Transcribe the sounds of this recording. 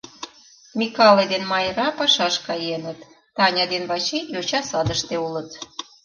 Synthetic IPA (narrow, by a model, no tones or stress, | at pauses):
mʲikɑled̪enmɑjɾɑpɑʃɑʃkɑjenət̪ː | ɑnʲɑd̪enβɑt͡ɕejot͡ɕɑsɑd̪əʃt̪eulət̪